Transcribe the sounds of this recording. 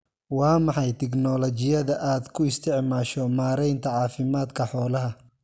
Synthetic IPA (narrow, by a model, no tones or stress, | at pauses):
wɑːmɑħɑjt̪ʰɛɡnɔlɔt͡ʃɪjɐðɐʔaːd̪kʰʊɪst̪ʰɪʕmaːʃɔmaːɾɛjnt̪ʰɐʕɑːfɪmaːd̪kʰɐħɔːlɐɦɐ